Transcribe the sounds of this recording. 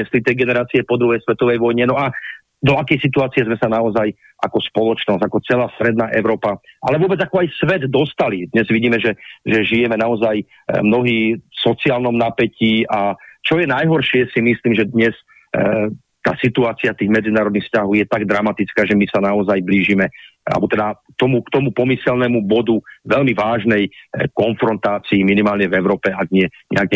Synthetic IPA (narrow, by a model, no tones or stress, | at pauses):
ɛslit̪ɛjɡɛnɛɾaːt͡siɛpɔd̪ɾuɦɛjsʋɛt̪ɔʋɛjʋɔjɲɛnɔa | d̪ɔakɛjsit̪uaːt͡sijɛzmɛsanaɔzaj | ʔa̰kɔspɔlɔt͡ʃnɔzɟakɔt͡sɛlaːst̪ɾɛd̪̚naːʔɛʊɾɔːpaʔa̰lɛʋʊɔbɛd͡zakɔajsʋɛd̪ːɔst̪alid̪ɲɛzʋiɟiːmɛʒɛʒɛʒijɛmɛnaɔzaj | mnɔɦiːsɔt͡siaːlnɔmnapɛciːʔat͡ʃɔjɛnajɦɔɾʃɪɛsimisliːmʒɛd̪ɲɛs | t̪a̰ːsit̪uaːt͡siat̪iːɣmɛd͡zinaːɾɔd̪nixfscaɦɔʊjɛt̪aɡd̪ɾamat̪it͡skaːʒɛmisanaɔzajbliːʒimɛa̰bɔt̪ɛd̪a | t̪ɔmukt̪ɔmupɔmisɛlnɛmubɔd̪uʋɛlmiʋaːʒnɛjkɔnfɾɔnt̪aːt͡siːminimaːlɲɛvɛʊɾɔːpɛaɡɲɪɛɲɛ̰aɡɲɛ